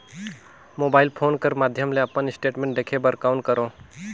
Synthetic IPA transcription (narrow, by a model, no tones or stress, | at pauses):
moːbaːɪlpʰoːnkəɾmaːd̪ʱjəmleɐpənɪsʈeːʈmẽːɳʈ̚ɖ̪eːkʰebəɾkaːʊɳʈkəɾõː